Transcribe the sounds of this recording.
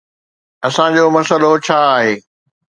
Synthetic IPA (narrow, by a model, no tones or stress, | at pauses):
ɐsãd͡ʑoːmɐsəlot͡ɕʰaːɦeː